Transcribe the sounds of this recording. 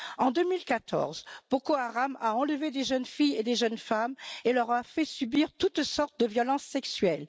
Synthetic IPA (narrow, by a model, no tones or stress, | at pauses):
ɑ̃d̪ømilkat̪ɔ̰ʁzb̥okoaʁamaɑ̃ləved̪eʒənfijed̪eʒənfamelœʁafɛsybiʁt̪ut̪sɔʁt̪̚d̪əvjɔlɑ̃sːɛksɥɛl